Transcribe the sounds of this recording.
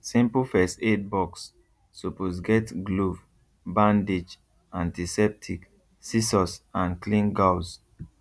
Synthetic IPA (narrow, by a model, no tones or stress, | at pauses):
sĩmpəlfɛset̚bɔksː | uposɡɛtɡluv | bãndid͡ʒ | ãntisɛp̚tʰik | sisɔsãnklĩnɡaws